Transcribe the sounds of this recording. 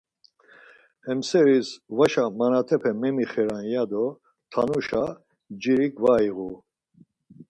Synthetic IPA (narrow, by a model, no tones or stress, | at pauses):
hɛmsɛɾisvaʃamanat̪ʰɛpʰɛmɛmiχɛɾanjad̪ɔ | t̪ʰanuʃa | d͡ʒiɾikvaiɣu